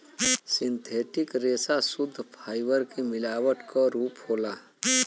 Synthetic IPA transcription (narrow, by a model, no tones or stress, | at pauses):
sɪ̃nt̪ʰeːʈɪkɾeːsasʊd̪ʱːpʰaːɪbəɾkemɪlaːwəʈkɔɾuːphoːla